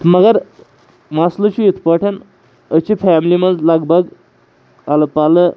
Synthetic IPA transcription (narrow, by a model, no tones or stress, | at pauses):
məɡəɾ | maslət͡ɕiit̪ʰpəʈʰən | ət͡ɕifʰæmiliməd̪laɡbəɡ | aləpalə